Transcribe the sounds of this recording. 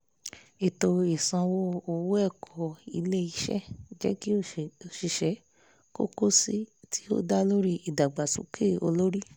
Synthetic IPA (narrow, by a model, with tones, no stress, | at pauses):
e˨to˧e˨sã˧wo˦o˧wo˦ɛ˦˨kʰɔ˨i˧le˦i˧˦ʃɛ̰˦d͡ʒɛ̰˦ki˦o˦˨ʃi˧˨ʃɛ˨˦ | ko̰˦ko˦si˦tʰi˦o̰˦da˦lo˦ɾi˦i˨da˨ɡ͡ba˨sṵ̃˨˦kʰe˦˨o̰˧lo˦ɾi˦